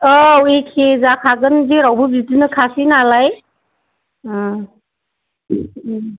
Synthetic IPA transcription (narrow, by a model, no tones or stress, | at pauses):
ɔwekʰezakʰaɡɯnziɾawbɯbitinɯkʰasinalaj